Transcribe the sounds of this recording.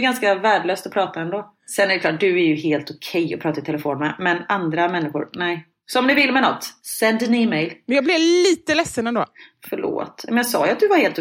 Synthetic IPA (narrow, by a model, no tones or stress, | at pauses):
ɡanskavæːɖɭøːst̪ɔpʰɾɑːt̪aɛnd̪oː | sɛnæɾɖɛkʰlɑːʈ̚d̪ɵæɾjɵɦeːlt̪ʊkʰɛjɔpʰɾɑːt̪aɾɪt̪ʰɛlɛfoːnmɛmɛnand̪ɾamɛnːɪɧʊɾnɛːj | sɔɔmnɪvɪlːmɛnɔt̪ːsɛnd̪nɪmɛjlmɛnjɑːɡblɪliːt̪əlɛsːənɛnd̪o̰ːfœɭo̰ːt̪ɛ̰mɛnjɑɡsɑ̰ːjʉat̪̚d̪ɵvaɾheːlt̪ʊ